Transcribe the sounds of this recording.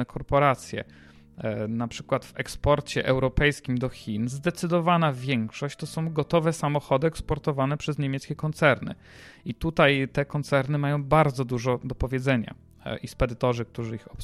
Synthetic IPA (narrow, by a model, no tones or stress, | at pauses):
ɛkʰɔɾpɔɾat̪sʲjɛ̰ | napʂɘ̥kwat̪vɛkspɔɾt͡ɕɛʔɛwɾɔpɛjskʲimd̪ɔxʲinzd̪ɛt̪sɘd̪ɔvanavʲjɛŋkʂɔɕt͡ɕt̪ɔsɔ̃w̃ɡɔt̪ɔvɛsamɔxɔd̪ɘɛkspɔɾt̪ɔvanɛpʂɛzɲemʲjɛt̪skʲɛkɔnt̪sɛɾnɘ̰ | it̪ut̪ajt̪ɛkɔnt̪sɛɾnɘmajɔ̃w̃baɾd̪zɔd̪uʐɔd̪ɔpɔvʲjɛd̪zɛɲa̰ | ispɛd̪ɘt̪ɔʐɘk̚t̪uʐɘixɔp